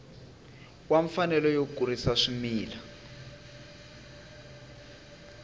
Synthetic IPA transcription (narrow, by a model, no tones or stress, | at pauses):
kwaɱfanɛlɔjokurisaʂimiːla